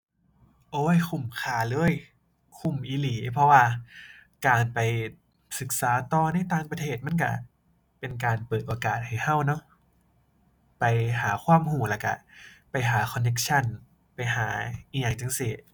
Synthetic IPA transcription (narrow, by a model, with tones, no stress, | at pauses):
ʔoː˧˦˨jkʰu˨˩mkʰaː˧˩lɤː˧˥˨j | kʰu˨˩mʔiː˧liː˨˦pʰɔ˧waː˧˩kaː˧npa˨j | sɯ˨˩k̚saː˩˦t̪ɔː˧˩na˧˥˩jt̪aː˧ŋpɾt̪ʰeː˧˩t̪̚ma˧˥˨ka̰˧˩ | pe˧nk̬aː˧npɤː˨˩t̪ʔoː˧kaː˨˩t̪̚ha˨˩jha˧˩wnɔ˦˧˥ | pa˨jɦaː˩˦xʰwaː˧˥˨mhuː˨˩laː˧˩ka˧˩pa˨jɦaː˩˦kʰɔ˧nːe˦˧˥k̚t͡ɕʰa˧˥˩n | pa˨jɦaː˩˦ʔiː˧jaː˧˩ŋt͡ɕa˧˩ŋsi˧˩